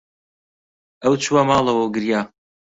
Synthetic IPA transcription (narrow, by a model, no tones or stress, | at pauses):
ɐwt͡ʃʰuwamaːlˠɐwɐwɡɨɾjaː